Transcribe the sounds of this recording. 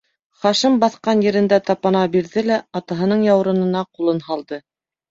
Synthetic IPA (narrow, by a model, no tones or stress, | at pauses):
χɑʃɤmbɑθqɑnjɘ̆ɾɘ̆nd̪æt̪ɑpɑnɑbiɾðɘlæɑt̪ɑɦɤ̆nɤɴjɑw̆ɾɤ̆nɤ̆nɑqulˠɤnhɑlˠd̪ɤ